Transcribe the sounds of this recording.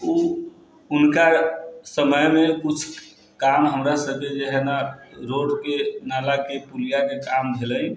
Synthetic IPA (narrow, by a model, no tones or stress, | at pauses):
u | unkasəməjmekut͡ʃʰ | kamɦəmɾasəb̚ked͡ʒeɦenaɾoɖkenalakepulijakekambʱeləj